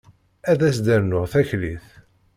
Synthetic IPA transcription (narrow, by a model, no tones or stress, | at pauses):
æðæsd̪æɾnʊʁθæçliθ